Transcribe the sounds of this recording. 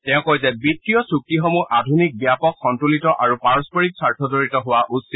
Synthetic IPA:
tɛ̃ʊ̃kojzɛbitːijɔsuk̚tixɔmuɹʔadʱunik̚bijapɔkxɔntulitɔʔaɹupaɹɔspɔɹik̚saɹtʰɔzoɹitɔɦʊwaʔusit

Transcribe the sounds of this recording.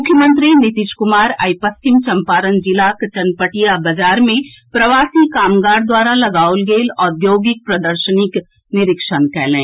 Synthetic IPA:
mʊkʰjəmə̃nt̪ɾinɪt̪ɪʃkʊmaːɾa̰jpɐst͡ʃɪmt͡ʃɐ̃mpaːɾənd͡ʒɪlaːkt͡ʃɐnpəʈijabɐd͡ʒaːɾmẽpɾɐʋaːsikaːmɡaːɾd̪waːɾalɐɡaːʊlɡeːlɔːɾd̪joːɡɪk̚pɾɐd̪əɾʃənɪk | nɪɾɪkʃənkɛːɦlẽː

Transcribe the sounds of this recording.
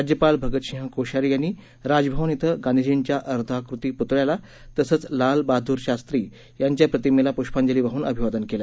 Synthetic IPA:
ad͡ʑjəpalbʱəɡət̪ɕiɦə̃koɕaɾijanːiː | ɾad͡zbʱəʋənit̪ʰəɡanid͡ʑeɲt͡ɕjaʔəɾd̪ʰʱakɾut̪iːput̪ɾjala | t̪əsəːt͡slalbad̪ʱuːɾɕast̪ɾiː | jaɲt͡ɕjapɾət̪imelapuɕpaɲd͡ʑəliːʋaɦuːnəbʱiʋad̪ənkela

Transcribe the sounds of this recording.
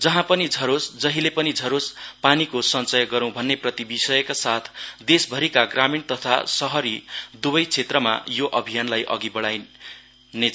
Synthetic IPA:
d͡zʌɦãpʌnid͡zʱʌɾosd͡zʌɦilepʌnid͡zʱʌɾospanikosʌnt͡sʌjɡʌɾʌ̃w̃bʱʌnːeprʌt̪ibisʌjʌkasat̪ʰd̪esbʱʌɾikaɡramint̪ʌt̪ʰa̰sʌɦʌɾid̪ubʌjt͡sʰet̪rʌma̰joʔʌbʱijanlajʔʌ̰ɡibʌɽaj | ne

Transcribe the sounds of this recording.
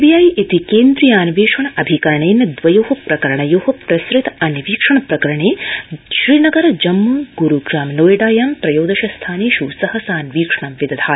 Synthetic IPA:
bijɐjʔit̪ikeːnd̪ɾijaːnʋeːʂɐɳɐʔɐbʱikɐɾɐɳejnɐd̪ʋɐjoːɦɐpɾɐkɐɾɐɳɐjoːhɐpɾɐsɾɪt̪ɐnʋiːkʂɐɳɐpɾɐkɐɾɐɳeːʃɾiːnɐɡɐɾɐd͡ʒɐmːuːɡuɾuɡʒaːmnoːjɐɖaːjɐːmpɾɐjoːd̪ɐʃɐst̪ʰaːneːʃuːsɐhɐsaːnʋiːkʂɐɳɐmʋid̪ɐd̪ʰʱaː

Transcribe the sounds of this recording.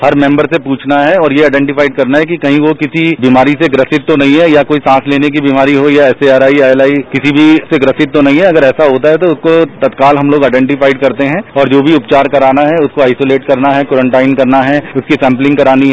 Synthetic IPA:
hɐɾmɛ̃mbəɾsepuːt͡ʃʰnaɦɛɔːɾjeaːɪɖɛ̃ːɳʈɪfaːɪɖ̚kɐɾnaɦɛkikɐɦĩʋokɪsibiːmaːɾiseɡɾɐsɪt̪ːonɐɦĩɦɛjakoːisãːsleːnek̬ibiːmaːɾiɦojaɛːseaːɾaːiaːɛlaːikɪsibʱiseɡɾɐsɪt̪ːonɐɦĩɦɛɐɡəɾɛːsaɦoːt̪aɦɛt̪oʊskot̪ɐt̪kaːlɦɐmloːɡaːɪɖɛ̃ːɳʈɪfaːɪɖkɐɾt̪eɦɛ̃ːɔːɾd͡ʒoːbʱiʊpt͡ʃaːɾkɐɾaːnaɦɛʊskoaːɪsoːleːʈkɐɾnaɦɛkɔːɾə̃ɳʈaːɪnkɐɾnaɦɛʊskisɛ̃ːmplɪ̃ŋɡkɐɾaːniɦɛ

